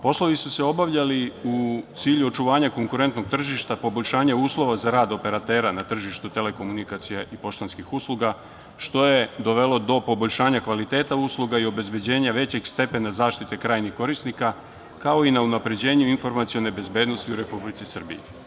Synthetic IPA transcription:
po̞slˠo̞ʋisuse̞o̞baʋʎaliut̪siːʎuo̞t͡ʃuʋaːɲako̞ŋkuɾe̞nt̪noɡ̚t̪r̩ʒiʃt̪apo̞bo̞ʎʃaːɲauːslˠo̞ʋazaɾaːd̪o̞pe̞ɾat̪e̞ːɾanat̪r̩ʒiʃt̪ut̪e̞le̞ko̞munikat̪sijaʔipo̞ʃt̪onskixuslˠuɡa | ʃt̪o̞jed̪o̞ʋe̞lo̞d̪o̞po̞boʎʲʃaːɲakʋalit̪e̞ːt̪auslˠuɡaio̞be̞zbe̞d͡ʑe̞ːɲaʋe̞t͡ɕe̞ɡst̪e̞pe̞nazaːʃt̪it̪e̞kɾaːjnixko̞ɾisnika | kao̞inaunapɾe̞d͡ʑe̞ːɲuinfo̞ɾmat̪sijo̞ne̞be̞zbe̞ːd̪no̞st̪iuɾe̞publit̪sisr̩bḭji

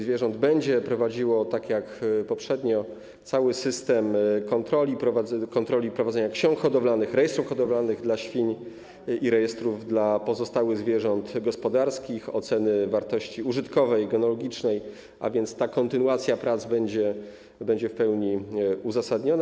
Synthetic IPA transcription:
zvʲjɛʐɔnd̪bɛɲd͡ʑɛpɾɔvad͡ʑiwɔt̪akjakpɔpʂɛd̪ɲɔ | t̪sawɘsɘst̪ɛmkɔnt̪ɾɔlʲipɾɔvaɛkɔnt̪ɾɔlʲipɾɔvadzɛɲakɕɔ̃ŋkxɔd̪ɔvlanɘxɾɛjɛst̪ɾufxɔd̪ɔvlanɘɣd̪laɕfʲiɲ | iɾɛjɛst̪ɾuvd̪lapɔzɔst̪awɘɣzvʲjɛʐɔnt̪ɡɔspɔd̪aɾskʲixɔ̰t̪sɛnɘvaɾt̪ɔɕt͡ɕiuʐɘt̪kɔvɛjɡɛnɔlɔɡʲit͡ʂnɛj | ʔa̰vʲjɛnt̪st̪akɔnt̪ɘnuat̪sʲjapɾat̪zbɛɲd͡ʑɛ | bɛɲd͡ʑɛfpɛwɲiuzasad̪ɲɔn

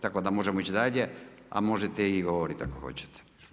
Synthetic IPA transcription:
t̪akod̪amo̞ʒemoit͡ɕid̪aʎe | a̰mo̞ʒet̪eiɡoʋoɾit̪a̰koxo̰t͡ɕe̥t̪ʰɛ̥

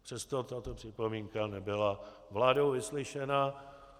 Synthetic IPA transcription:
pr̥ɛst̪ot̪at̪o̞pr̥ɪpo̞miːŋkanɛbɪla | vlaːdowvɪslɪʃɛna

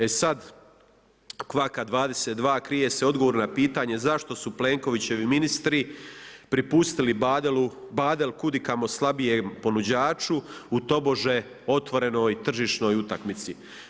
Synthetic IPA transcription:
e̞sad̪ | kʋakad̪ʋaːd̪e̞set̪̚d̪ʋaːkɾije̞seo̞d̪ɡo̞ʋoːɾnnapiːt̪aːɲe̞zaʃt̪o̞suple̞ːŋko̞ʋit͡ɕe̞ʋiminist̪ɾipɾipust̪ilibd̪lu | baːd̪e̞lkud̪ikamo̞slˠabijempo̞nud͡ʑaːt͡ʃuut̪o̞bo̞ʒe̞ | o̞t̪ʋo̞ɾe̞no̞ːjt̪r̩ʒiʃno̞ːjut̪akmit̪si

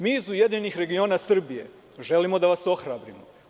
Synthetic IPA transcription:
miːzuje̞d̪iɲnixɾe̞ɡio̞ːnasr̩bije̞̰ | ʒe̞limo̞d̪aʋaso̞xɾaːbɾimo

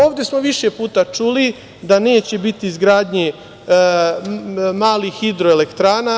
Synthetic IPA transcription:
oːʋd̪je̞smo̞ʋiʃe̞puːt̪at͡ʃuli | d̪ane̞ːt͡ɕe̞bit̪iːzɡɾaːd̪ɲe | maːlixid̪ɾoele̞kt̪ɾaːna

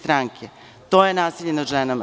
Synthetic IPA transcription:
t̪ɾaːŋkʰe | t̪oːjenaːsiʎʲenaʒenama̰

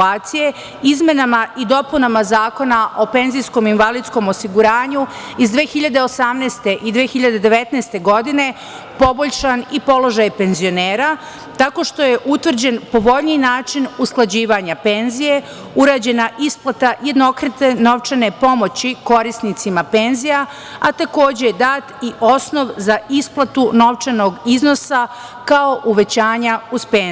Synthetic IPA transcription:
aːt̪sije̞ | izme̞namaʔid̪o̞punamazaːko̞naʔo̞pe̞nzijsko̞minʋalid̪sko̞mo̞siɡuɾaːɲu | izd̪ʋeːxiʎad̪e̞o̞samneːst̪e̞ʔid̪ʋeːxiʎad̪e̞d̪e̞ʋe̞t̪nɛːst̪e̞ɡo̞d̪ine̞ | po̞bo̞ʎʲʃanipo̞lˠo̞ʒajpe̞nzijo̞neːɾa | t̪ako̞ʃt̪o̞je̞ʔut̪ʋr̩d͡ʑe̞npo̞ʋo̞ʎniinaːt͡ʃinusklˠad͡ʑiːʋaɲape̞nzije̞ | uɾaːd͡ʑe̞naʔisplˠat̪aje̞d̪no̞kɾet̪eno̞ʋt͡ʃane̞po̞mo̞t͡ɕiko̞ɾisnit̪simape̞nzija | at̪ako̞ːd͡ʑed̪aːt̪iʔo̞sno̞ʋzaisplˠat̪uno̞ʋt͡ʃano̞ɡizno̞sa | kao̞ʔuʋe̞t͡ɕaːɲauz̥pen

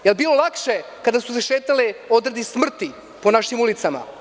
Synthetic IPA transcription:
jelbiːlo̞lˠakʃekad̪asu̥seʃeːt̪alio̞d̪ɾed̪ismr̩t̪i | ponaʃimulit̪sama̰

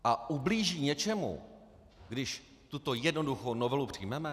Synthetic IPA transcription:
ʔaʔubliːʒiːɲɛt͡ʃɛmṵ | ɡdɪʃ | t̪ut̪o̞jɛdno̞duxownovɛlupr̥ɪjmɛmɛ

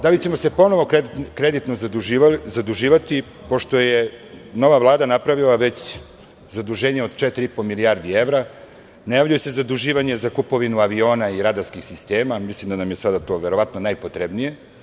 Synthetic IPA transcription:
d̪alit͡ɕe̞mo̞se̞po̞no̞ʋo̞kɾed̪it̪no | zad̪uʒiːʋat̪i | po̞ʃt̪o̞jeno̞ʋavlˠaːd̪anapɾaʋilˠaʋet͡ɕ | zad̪uʒeːɲeo̞d̪t͡ʃet̪ɾiipomilijaɾd̪ie̞vɾa | najaʋʎʲuje̞sezad̪uʒiːʋaɲezakupo̞ʋinuaʋio̞ːnaiɾad̪askixsist̪e̞ːmamislimd̪anamjesad̪at̪o̞ːʋe̞ɾo̞ʋat̪no̞najpo̞t̪ɾebnije̞

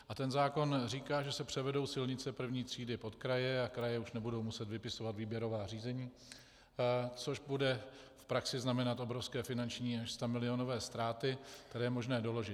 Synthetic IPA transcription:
ʔat̪ɛnzaːko̞nriːkaːʒɛsɛpr̥ɛvɛdo̞wsɪlɲɪt͡sɛpr̩vɲiːt̪r̝̥iːdɪpo̞t̪kɾajɛakɾajɛuʃnɛbudo̞wmusɛt̪vɪpɪso̞vat̪viːbjɛɾo̞vaːr̝iːzɛɲiː | t͡so̞ʒbudɛ | fpɾaksɪznamɛnat̪ʔo̞bɾo̞fskɛːfɪnant͡ʃɲiːaʃst̪amɪlɪo̞no̞vɛːst̪ɾaːt̪ɪt̪ɛɾɛːɛmo̞ʒnɛːdo̞lo̞ʒɪt̪

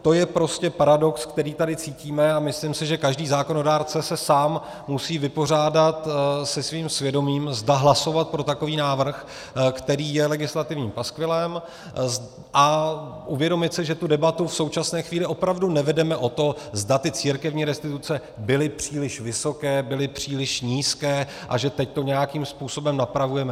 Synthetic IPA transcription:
t̪o̞jɛpɾo̞scɛpaɾado̞kskt̪ɛɾiːt̪adɪt͡siːciːmɛamɪslimsɪʒɛkaʒdiːzaːko̞no̞daːɾt͡sɛsɛsaːmː | usiːvɪpo̞r̝aːdat̪sɛsviːmsvjɛdo̞miːmzdaɦlaso̞vat̪̚pɾo̞t̪ako̞viːnaːvr̩x | kt̪ɛɾiːjɛlɛɡɪslat̪ɪvɲiːmpaskvɪlɛm | z | ʔaʔuvjɛdo̞mɪt̪sɪʒɛt̪udɛbat̪ufso̞wt͡ʃasnɛːxviːlɪʔo̞pɾavdunɛvɛdɛmɛʔo̞t̪o̞zdat̪ɪt͡siːɾkɛvɲiːɾɛst̪ɪt̪ut͡sɛ | bɪlɪpr̝̥iːlɪʃvɪso̞kɛːbɪlɪpr̝̥iːlɪʃɲiːskɛː | ʔa̰ʒɛt̪ɛc̚t̪o̞ɲɛjakiːmspuːso̞bɛmnapɾavujɛmɛ

